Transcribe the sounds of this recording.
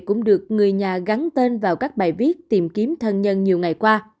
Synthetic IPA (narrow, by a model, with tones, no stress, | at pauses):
kʊ̰˧˥ŋ͡mɗɨ˨˩ək̚ŋɨ˨˩əjɲaː˨˩ɣa˨˦nt̪e˧nvaː˨˩wkaː˦˥k̚ɓaː˨˩jvi˦˥ət̚t̪i˨˩mki˨˦əmt̪ʰə˧nɲə˧nɲi˨˩əwŋa˨˩jkwaː˧